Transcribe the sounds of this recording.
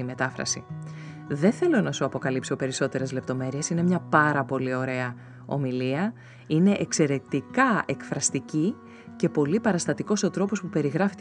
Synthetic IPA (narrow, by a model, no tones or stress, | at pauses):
ime̞t̪ɐfɾɐ̰sḭ | ðe̞θelo̞nɐsuɐpo̞kɐlipso̞pe̞ɾiso̞t̪e̞ɾe̞zle̞p̚t̪o̞me̞ɾie̞sine̞mɲɐpɐɾɐpo̞lio̞ɾe̞ɐ | o̞̰miliɐ | ine̞ʔekse̞ɾe̞t̪ikɐe̞kfɾɐst̪ici | ce̞po̞lipɐɾɐst̪ɐt̪iko̞sot̪ɾo̞po̞spupe̞ɾiɣɾɐfit̪